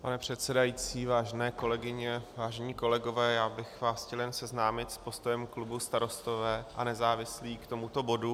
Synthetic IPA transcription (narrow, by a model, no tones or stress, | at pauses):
panɛpr̝̥ɛt̪sɛdajiːt͡siːvaːʒɛnɛːko̞lɛɡɪɲɛvaːʒɛɲiːko̞lɛɡo̞vɛːjaːbɪxvaːsxcɛljɛnsɛznaːmɪt̪spo̞st̪ojɛmklubust̪aɾo̞st̪o̞vɛːʔanɛzaːvɪsliːkt̪omut̪o̞bo̞du